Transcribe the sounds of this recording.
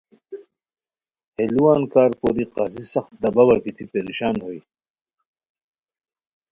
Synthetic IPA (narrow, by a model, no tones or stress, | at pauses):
heluwaːnkaːɾko̰ːɾiqaːsisɐxt̪̚d̪ɐbɐwɐɾkit̪ʰipeɾiɕaːnhoj